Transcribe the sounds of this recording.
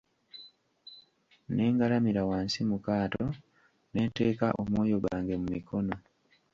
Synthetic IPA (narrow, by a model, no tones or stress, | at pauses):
ne̞ːŋɡalamiɾawaːnsimukaːto̞ | ne̞ːnte̞ːkaʔo̰mwo̞ːjo̞ɡaːŋɡe̞mumikʰo̞no̞